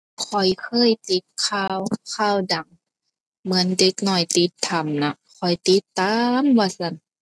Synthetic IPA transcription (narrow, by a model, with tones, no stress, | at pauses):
kʰɔ˨˩jkʰɤː˧˥˨jt̪i˧˦t̪̚kʰaː˧˩˨wkʰaː˧˩˨wda˨˩ŋ | mɯ˩˨˦ənde˧˦k̚nɔ˧˩jt̪i˧˦t̪ʰːa˨˩mna˧˩kʰɔ˨˩jt̪i˧˦t̪ːaː˧˨mwaː˧˩sa˧˩˨n